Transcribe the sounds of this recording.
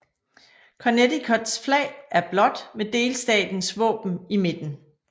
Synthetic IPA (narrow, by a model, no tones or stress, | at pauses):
kʰɒned̥ikʰɒ̽d̥sflɛ̰ɪʔæɐb̥lɒ̽d̥med̥e̝ːlsd̥ɛ̰ːd̥n̩sʋɔ̰̽ːb̥n̩ime̝d̥n̩